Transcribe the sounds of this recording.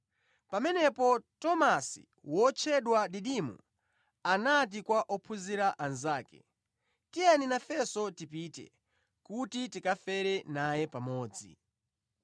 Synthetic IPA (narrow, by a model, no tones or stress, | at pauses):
pamɛnɛpɔtɔmasḭ | wɔt͡ʃʰɛɗwaɗiɗimṵ | anat̬ikwaʔɔpʰuziɾaʔanzaːkɛ̰ | tijaninafɛsɔtipitɛ̰ | kutitikafɛɾɛnajɛpamɔːd͡zḭ